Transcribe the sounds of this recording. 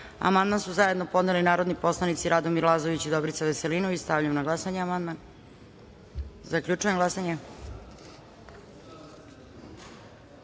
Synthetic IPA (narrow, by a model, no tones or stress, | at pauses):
a̰mand̪mansuzajed̪no̞po̞d̪nelinaːɾo̞d̪nipo̞slˠanit̪siɾad̪o̞miɾlˠazo̞ʋit͡ɕid̪obɾit̪saʋeseliːnuist̪avʎamnaɡlˠasaɲeamand̪man | zakʎut͡ʂuje̞mɡlˠasaɲe